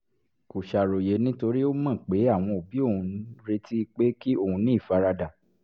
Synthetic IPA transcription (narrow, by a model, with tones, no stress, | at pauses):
ku˨ʃa˨ɾo˨je˨˦nĩ˦to˧ɾi˦o˦mã˦˨k͡pe˨˦a˦˨w̃ɔ̃˧o˨bi˨˦o˦˨ũ˧˦ɾe˧˦ti˦i˧k͡pe˦ki˦o˦˨ũ˧nĩ˦˨fa˧ɾa˧da˨